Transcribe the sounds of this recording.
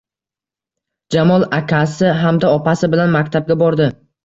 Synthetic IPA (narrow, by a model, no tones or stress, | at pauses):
d͡ʒamɒlˠakʲʰasɪɦamd̪aɒpasɪbɪlanmakʲt̪ʰab̚ɡʲabɒɾd̪ɪ